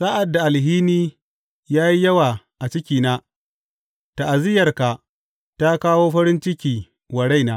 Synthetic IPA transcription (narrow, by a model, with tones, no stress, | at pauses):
sa˦ʔa˨dːa˨ʔa˨lɦiː˦niː˦ | jaː˦ji˦jɐ˦waː˨ | ʔa˨t͡ʃɪ˦kʲiː˨naː˦ | ta˨ʔa˨zɪ˦jɐ˨rka˨ | ta˦kaː˦woː˦ɸɐ˦ɾɪ˦nt͡ʃɪ˦kʲiː˨ | wɐ˨ɽa˦jnaː˦